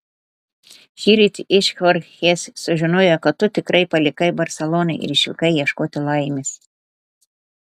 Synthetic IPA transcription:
xʲiːɾʲɪt̪ʲʔɪʃʲxɐɾxʲeːsʲsʊʒʲɪnoːjokɐt̪̚t̪ːʊt̪ʲɪkɾɐɪpɐlʲɪkɐɪbɐɾʲsʲɛlˠɔːnɐɪʔɪ̰ɾɪʃʲʋʲɪ̰kɐɪjiɛʃkoːt̪ʲɪlˠɐɪmʲɪs

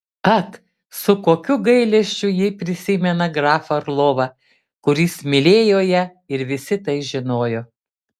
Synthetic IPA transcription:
ɐt̪ | sʊkoːkʲʊɡɐɪlʲɛʃʲt͡ʃʲʊjipʲɾʲɪsʲɪmʲɛnɐɡɾɑːfɐɾlˠoːʋɐ | kʊɾʲɪsmʲɪlʲeːjoːjɛ | ɪɾʋʲɪsʲɪt̪ɐɪʒʲɪnoːjoː

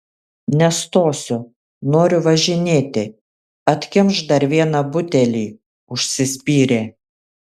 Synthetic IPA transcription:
nʲɛst̪oːsʲʊ | noːɾʲʊʋɐʒʲɪnʲeːt̪ʲɪ | ɐt̪ʲkʲɪmʃd̪ɐɾʋʲiɛnɐbʊt̪ʲɛlʲiː | ʊʃʲsʲɪsʲpʲiːɾʲeː

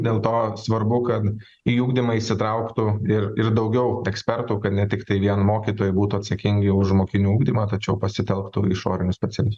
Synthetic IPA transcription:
d̪ʲeːlˠt̪oːsʋɐɾbʊkɐt̪ | iːuːɡd̪ʲɪmɐiʃsʲɪt̪ɾɐʊkt̪ʊɪɾɪɾd̪ɐʊɡʲɛʊɛksʲpʲɛɾt̪uːkɐt̪nʲɛt̪ʲɪkt̪ɐɪʋʲiɛnmoːkʲiːt̪oːjbuːt̪ʊɐt̪sɐkʲɪŋʲɡʲɪʊʒmoːkʲɪnʲuːuːɡd̪ʲimɐːt̪ɐt͡ʃʲɛʊpɐsʲɪt̪ʲɛlˠkt̪ʊɪʃo̰ːɾʲɪnʲʊsʲpʲɛsʲɛlʲɪs

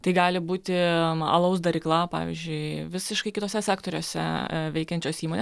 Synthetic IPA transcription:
t̪ɐɪɡɑːlʲɪbuːt̪ʲɪɐ̰lˠɐʊs̬d̪ɐɾʲɪklˠɐpɑ̰ːʋʲḭzʲd͡ʒʲʊɪʋʲɪsʲɪʃkɐɪkʲɪt̪oːsʲɛsʲæːkt̪oːɾʲoːsʲɛ̰ʋʲɛɪkʲɛnʲt͡ʃʲoːsʲiːmoːnʲe

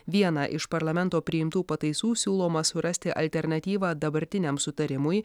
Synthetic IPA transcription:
ʋʲiɛnɐʔɪʃpɐɾlˠɐmʲɛnt̪oːpʲɾʲɪɪmt̪uːpɐt̪ɐɪsuːsʲuːlˠoːmɐsʊɾɐsʲt̪ʲɪʔɐ̰lʲt̪ʲɛɾnɐt̪ʲiːʋɑːd̪ɐbɐɾʲt̪ʲɪnʲɛmsʊt̪ɐɾʲɪmʊj

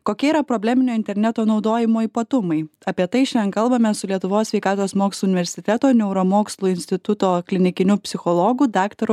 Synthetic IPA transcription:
koːkʲɛiɾɐpɾoːbʲlʲæːmʲɪnʲoːɪnʲt̪ʲɛɾʲnʲɛt̪oːnɒʊd̪oːjɪmoːipɐt̪ʊmɐɪɐpʲiɛt̪ɐɪʃʲɛnkɐlˠbɐmʲɛsʊlʲiɛt̪ʊʋoːsʲʋʲɛɪkɑːt̪oːsmoːkslˠʊnʲɪʋʲɛɾʲsʲɪt̪ʲɛt̪oːnʲɛʊɾoːmoːkslˠuɪnʲsʲt̪ʲɪt̪ʊt̪oːklʲɪnʲɪkʲɪnʲʊpʲsʲɪxɔlˠɔːɡʊd̪ɑːkt̪ɐɾ

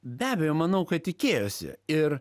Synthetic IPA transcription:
bʲæːbʲɛjoːmɐnɐʊkɐt̪ʲɪkʲeːjosʲɪ̰ɪɾ

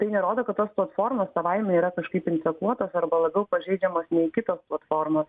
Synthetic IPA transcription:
t̪ɐɪnʲɛɾoːd̪oːkɐt̪̚t̪oːsplˠɐt̪foːrmoːssɐʋɐɪmʲɛiːɾɐkɐʃkɐɪpɪnt̪ʲɛkuɔt̪oːsɐɾbɐlˠɐbʲɛʊpɐʒʲɛɪd͡ʒʲɛmoːsnʲɛɪkʲɪt̪oːsplˠɐt̪foːɾmoːs

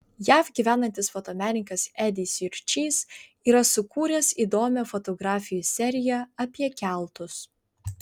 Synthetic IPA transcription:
jæːfɡʲiːʋʲæːnɐnʲt̪ʲɪsfɔt̪oːmʲæːnʲɪŋkɐsæd̪ʲɪsʲɪɾʲt͡ʃʲiːs | iːɾɐsʊkuːɾʲɛsiːd̪oːmʲɛfɔt̪ɔɡɾɑːfʲɪjuːˑsʲɛɾʲɪjɛɐpʲiɛkʲælˠt̪ʊs

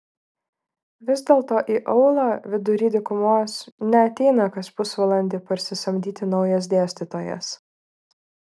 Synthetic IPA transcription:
ʋʲɪzʲd̪ʲɛːlˠt̪oːʔiːʔɐʊlˠɑːʋʲɪd̪ʊɾʲiːd̪ʲɪkʊmoːsnʲɛɐt̪ʲɛɪnɐkɐspʊsʋɐlˠɐnʲd̪ʲɪpɐɾʲsʲɪsɐmʲd̪ʲiːt̪ʲɪnɒʊjɛs̬d̪ʲeːsʲt̪ʲɪt̪oːjɛ̰s

